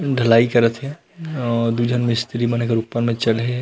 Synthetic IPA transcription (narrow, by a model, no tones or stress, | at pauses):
ɖʱəlaːikəɾət̪ɦɛ | ɔɾd̪ud͡ʒʱənmɪ̃st̪ɾimənekeɾupənmẽt͡ʃəlɦe